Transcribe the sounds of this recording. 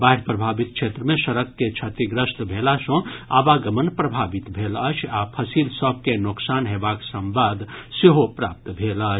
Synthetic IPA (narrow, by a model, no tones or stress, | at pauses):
baɦɽpɾəbʱaːbit̪̚kʃʰet̪ɾəmẽʃəɾəkːet͡ʃʰɐt̪iɡɾəst̪bʱeːlasɔ̃abaɡəmənpɾəbʱaːbit̪bʱelət͡ʃʰapʰəsilsəb̚kenʊksaːnɦeːbaksə̃mʋad̪ʱseɦopɾaːp̚t̪bʱelat͡ʃʰ